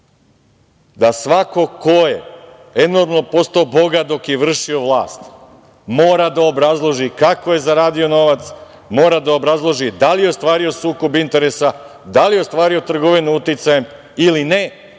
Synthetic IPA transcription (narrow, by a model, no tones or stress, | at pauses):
d̪asʋako̞koje | eno̞ɾmno̞po̞st̪oːbo̞ɡad̪o̞kjeʋr̩ʃio̞ʋlˠa̰ːst̪ | mo̞ːɾad̪aobɾazlˠo̞ʒikako̞je̞zaɾaːd̪io̞no̞ʋat̪s | mo̞ːɾad̪ao̞bɾazlˠo̞ʒid̪alijeo̞st̪ʋaːɾio̞suːko̞bint̪e̞ɾesa | d̪alijeo̞st̪ʋaːɾio̞t̪r̩ɡo̞ʋinuut̪it̪sajem | iline